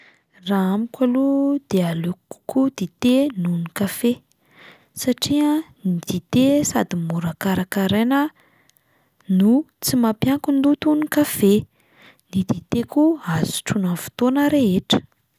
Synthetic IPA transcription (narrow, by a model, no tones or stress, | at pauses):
raamikʲʷalud̪̥ealuku̥kud̪̥it̪enunikafe | saʈ͡ʂianid̪̥it̪esad̪imuɾakaɾakaɾenə | nut͡simapjaŋkund̪ut̪unikafe | nid̪it̪ekuazu̥ʈ͡ʂunavu̥t̪onəɾeɦeʈ͡ʂə̥